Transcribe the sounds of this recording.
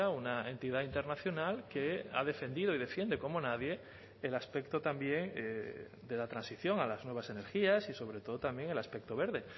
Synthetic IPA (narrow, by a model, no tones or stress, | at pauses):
aunaẽ̞nt̪iðaint̪e̞ɾnaθjo̞nalkea̰ð̞e̞fe̞nd̪ið̞oiðe̞fje̞nd̪e̞ko̞monaðje̞ː | laspe̞kt̪ot̪ambje̞ŋ | d̪e̞lat̪ɾãnsiθjo̞ŋalaznweβasene̞ɾxiasiso̞β̞ɾet̪o̞ð̞ot̪ambje̞ŋe̞laspe̞k̚t̪o̞β̞e̞ɾðe̞